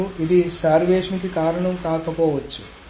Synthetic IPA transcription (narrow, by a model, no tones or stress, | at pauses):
uʔid̪isaːɾʋeːʂɐnikikaːɾɐɳɐmkaːkɐpɔːʋɐt͡ʃːu